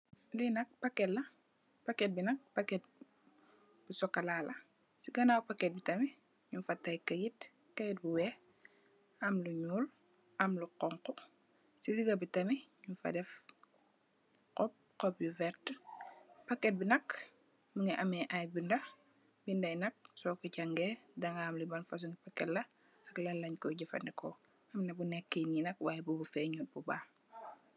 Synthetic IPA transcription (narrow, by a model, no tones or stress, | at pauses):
linɐk̚pɐkɛtːɐ | pɐkːɛt̚binɐk̚pakːɛt̚ | b̥usɔkːɐlalʔɐ | siɡɐnaːpakɛt̚bitɐmi | ɲunfɐtːɐjkɐjit | kɐjit̚buwɛ | ɐmluɲuːl | ɐmluqɔŋkɔ | siliɡɐbitɐmiɲunfɐ̰dɛf | qɔp̚qɔp̚juvɛɾt | pɐkːɛt̚binɐk | muŋiʔɐmɛʔajbindɐ | bindɐjnɐk̚sɔkuɟaŋɡɛdɐŋaːmlibɐnfɐs̬uŋipakːɛtlɐ | ɐklɐlːɐɲkɔɟɐfɐ̰ndɛkɔ | ɐmnɐbunɛkːeninɐk̚waːjɛbubufɛɲuːl̚bubaː